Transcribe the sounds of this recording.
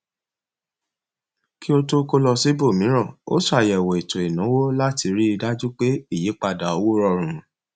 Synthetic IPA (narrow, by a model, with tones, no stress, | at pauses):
ki˦o˧to˦ko˧lɔ˧si˨˦bo˦˨mĩ˨˦ɾ̃ɔ̃˦˨o̰˦su˦a˨jɛ˨wɔ˨i˨to˨i˨nã˨˦wo˦la˦ti˧ɾi˦i˧da˦d͡ʒu˦k͡pe˦i˦˨je˨˦k͡pa˧da˨o˧wo˦ɾɔ˧ɾ̃ũ˨